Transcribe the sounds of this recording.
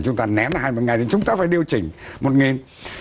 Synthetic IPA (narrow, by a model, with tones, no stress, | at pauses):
t͡ɕʊ˨˦ŋ͡mt̪aː˧nɛ˨˦n˨ɦaː˧jmo˧˩ŋa˨˩jt̪i˨˩t͡ɕʊ˨˦ŋ͡mt̪aː˧faː˧˩jɗi˧ə˧wt͡ɕï˨˩ŋ̟mo˨˩t̚ŋi˨˩n